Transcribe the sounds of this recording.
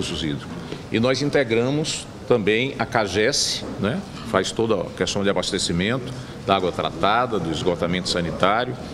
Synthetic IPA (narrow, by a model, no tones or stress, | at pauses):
ɾsʊzid̪ɾikʊɪnɔzĩnt̪eɡɾɐ̃mʊs | t̪ɐ̃mbẽj̃ɐkaʒɛsɪ̥nɛ | fajst̪od̪ɐkɛst̪ɐ̃w̃d͡ʒɪabast̪esimẽnt̪ʊ̥ | d̪ɐaɡwɐt̪ɾa̰t̪ad̪ɐd̪ʊɪzɡot̪amẽnt̪ʊ̥sɐ̃nit̪aɾjʊ